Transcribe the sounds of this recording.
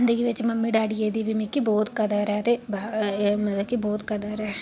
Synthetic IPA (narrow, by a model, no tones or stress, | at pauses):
ɪnd̪əɡiʋɪt͡ʃmɐmːiɖaːɖieːd̪iʋimikːibɔːt̪kɐd̪əɾɛt̪ebamɐt̪əbkiboːt̪kɐd̪əɾɛː